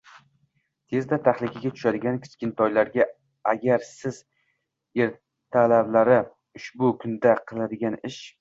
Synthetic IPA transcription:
t̪ʰe̞zd̪at̪ʰaχlˠɪkʲʰaɡʲat̪ʰʊ̥ʃad̪ɪɡʲankʲʰɪ̥skʲɪnt̪ʰɒjlaɾɡʲa | aɡʲaɾsɪz | eɾ | t̪ʰalablaɾɪ | ʊʃbʊkʰʊnd̪aqʰɨlˠad̪ɪɡʲanɪʃ

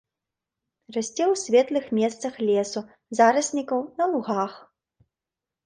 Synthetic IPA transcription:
rasʲt͡sʲɛwsʲvʲɛt̪lˠɨxmʲɛst̪sɐxlʲɛsu | zaɾɨsʲnʲikɐwnɐlˠuɣax

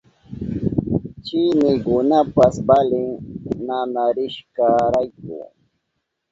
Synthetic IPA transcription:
t͡ʃɪnɪkʊnapasbalɪŋnanaɾɪʃkaɾajkʊ̰

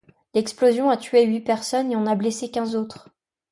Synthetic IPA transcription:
lɛksplozjɔ̃at̪ɥeɥipɛʁsɔneɔ̃nablesekʲɛ̃zot̪χ

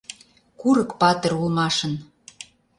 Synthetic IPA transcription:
kuɾəkpɑt̪ə̆rulmɑʃə̆n

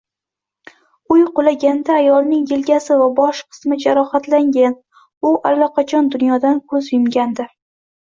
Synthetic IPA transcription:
ʊjqʊlaɡʲand̪aːjɒlnɪŋjɪlɡʲasɪvabɒʃqʰɨ̥smɪd͡ʒaɾɒhat̪laŋɡʲan | ʊʔalːɒqʰɑt͡ʃʰɒnd̪ʊnjɒd̪ankʰɵzjʊmɡʲand̪ɪ

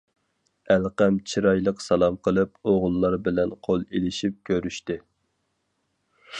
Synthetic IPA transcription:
ælqæmt͡ʃʰiɾɑjlˠəqsɑlˠɑmqʰəlˠɨp̚oʁʊlˠːɑɾbɪlɛnqʰolˠelɪʃip̚kʲʰøɾyʃt̪ɪ

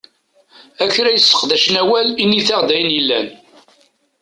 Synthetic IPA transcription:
æçɾæjəsːə̥qðæʃənæwælinːiθæʁd̪æjənjəlːæn

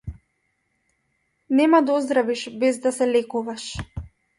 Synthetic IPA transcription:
nɛmad̪ɔzd̪ɾaviʃbɛzd̪asɛlɛkuvaʃ

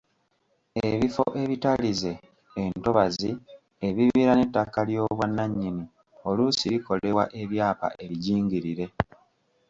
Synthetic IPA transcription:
e̞βifo̰ʔe̞βitalize̞ː | nto̞βazi | eβiβiːɾane̞tːakaljo̞ːβwanːaɲːini | o̞lusiɾiko̞le̞wa̰ʔe̞βjaːpa̰ʔe̞βiɟiːŋɡiɾiɾe̞

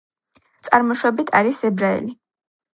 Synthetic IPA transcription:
t̪sʼaɾmɔʃwɔbit̪ʰaɾisɛbɾaɛ̰li

